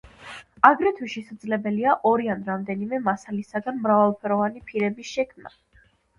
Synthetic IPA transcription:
aɡɾɛt̪ʰwiʃɛsad̪zlɛbɛliaʔɔɾianɾamd̪ɛnimɛmasalisaɡanmɾavalˠpʰɛɾɔvanipʰiɾɛbisʃɛkʰmna̰

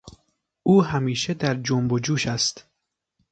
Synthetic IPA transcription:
ʔuːɦæmiːʃed̪æɾd͡ʒombod͡ʒuːʃæst̪

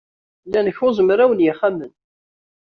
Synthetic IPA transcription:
lːænəçʊzəmɾæwənjɪχæmːən

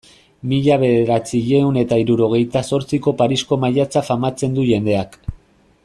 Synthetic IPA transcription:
miʎaβ̞e̞ðe̞ɾat͡siʎe̞une̞t̪aiɾuɾo̞ɣ̞e̞jt̪aso̞ɾt͡siko̞paɾisko̞maʎat͡safamat͡se̞nd̪uʝe̞nd̪e̞ak

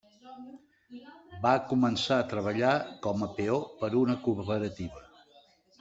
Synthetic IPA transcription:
bakumənsaət̪ɾəβ̞əʎakɔməpeopəɾunəkupəɾət̪iβə

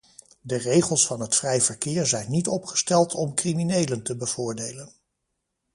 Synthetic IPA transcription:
dərejχəlˠsfɑnɦətfrɛjvəɹkɪːɹzɛjnːitɔpχə̥stɛlˠtʰɔmkriminejləntəbəv̥ʊːɹdejlən

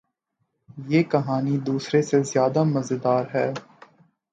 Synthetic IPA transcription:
jeːkɐɦaːnid̪uːsɾesezjaːd̪amɐzɪd̪aːɾɦɛː

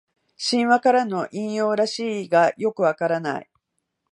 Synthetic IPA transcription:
ɕĩɰ̃βakaɾano̞ʔĩɰ̃jo̞ːɾaɕiːɡajo̞kɯ̟βakaɾana̰ḭ

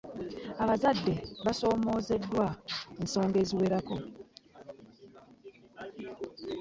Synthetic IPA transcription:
aβazadːe̞βaso̞ːmo̞ːze̞dːwaenso̞ːŋɡe̞ːziwe̞ːɾako̞

